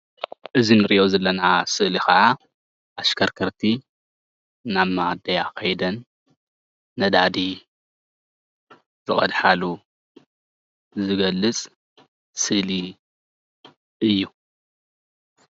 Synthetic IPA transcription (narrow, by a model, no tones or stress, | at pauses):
ʔɨzinɨɾiʔozɐlːɐnasɨʔlixɐʕa | ʔaskʰɐɾkʰɐɾt̪ʰi | naβmad̪ɐjakʰɐjd̪ɐn | ɐd̪ad̪i | zɨχʼɐd̪ħalu | zɨɡɐlːɨt͡sʼ | sɨʔli | ʔɨjːu